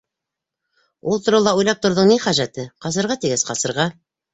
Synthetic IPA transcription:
ulˠt̪ŏɾɤwlˠɑujlˠɑp̚t̪ŏɾðɤɴniχæʒæt̪ɘqɑs̬ɤ̆ɾʁɑt̪iɡɘsqɑsɤ̆ɾʁɑ

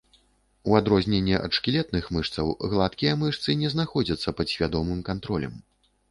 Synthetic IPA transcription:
uad̪ɾɔzʲnʲɛnʲːɛʔɐ̰t̪ʂkʲilʲɛt̪̚nɨxmɨʂt̪sɐ̰wɣlˠat̪kʲijɐmɨʂt̪sɨnʲɛznaxɔd͡zʲɐt̪sːɐpɐd̪sʲvʲad̪ɔmɨmkant̪ɾɔlʲɐ̰m

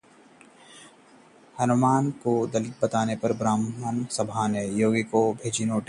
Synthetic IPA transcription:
hɐnʊmaːnkod̪ɐlɪt̪̚bɐt̪aːnepɐɾbɾaːmənsɐbʱaːnejoːɡkobʱeːd͡ʒinoːʈ

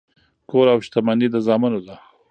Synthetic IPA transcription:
koɾawʃt̪amanid̪əzɑmanod̪a

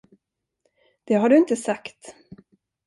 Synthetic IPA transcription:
d̪̥ɛɦaɖɵɪnt̪əsakt̪

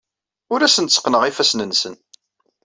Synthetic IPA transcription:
ʊɾæsənt̪sqːnəʁifæsnənsə̰n

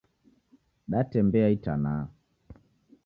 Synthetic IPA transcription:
ɗatɛmbɛaitanaː

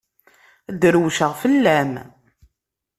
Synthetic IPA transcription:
d̪ɾwʃəʁfəlːæm

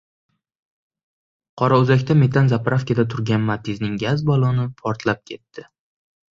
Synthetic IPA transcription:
qʰɒɾaʊzakʲt̪ʰame̞t̪ʰanzapɾʔafkʲad̪at̪ʰʊɾɡʲanmat̪ʰɪznɪŋɡʲazbɒlˠɒnɪpʰɒɾt̪ʰlap̚kʲʰe̞t̪ːɪ

